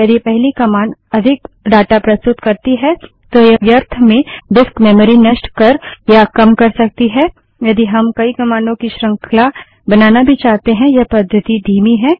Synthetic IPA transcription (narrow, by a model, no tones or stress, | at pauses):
ɐd̪epɛɦlikɐmaːnɐd̪ʱɪk | ɖaːʈapɾɐst̪ʊt̪kɐɾt̪iɦɛ | t̪ojɐʋjɐɾt̪ʰmẽɖɪskmɛːmɾinɐʃʈkɐɾjakɐmkɐɾsɐk̚t̪iɦɛː | jɐd̪iɦɐmkɐikɐmaːnõkiʃɾɐ̃ŋkʰla | bɐnaːnabʱit͡ʃaːɦt̪eɦɛ̃jɐpɐd̪ʱːət̪id̪ʱiːmiɦɛ̃ː